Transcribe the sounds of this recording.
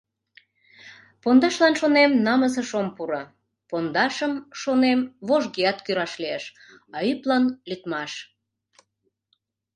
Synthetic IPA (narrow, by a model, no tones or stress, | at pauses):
pond̪ɑʃlɑnʃonemnɑməzəʃompuɾɑ | pond̪ɑʃəmʃonemβoʒɣiɑt̪kyɾɑʃlieʃ | ɑyplɑnlyt̪mɑʃ